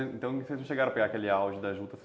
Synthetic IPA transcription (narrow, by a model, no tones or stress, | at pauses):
ẽnt̪ɐ̃w̃kɪseznɐ̃ʃeɡaɾɐ̃peɡaɐkelɪawʒɪd̪ɐʒlut̪ɐse